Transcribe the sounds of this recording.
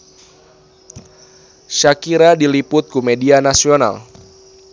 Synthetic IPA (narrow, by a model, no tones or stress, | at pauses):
ʃakiɾadilipʊt̪̚kumedianasiona̰l